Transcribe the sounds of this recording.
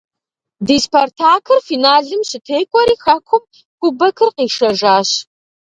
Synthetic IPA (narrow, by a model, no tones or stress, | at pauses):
diːspʰɐrtʰaːkʰɨrfiːnaːɮɨmɕɪtʰeːjkʷʼɔɾiːxɐkʷʰʊm | kʷʊbɐkʰɨrqiːʂɐʒaːɕ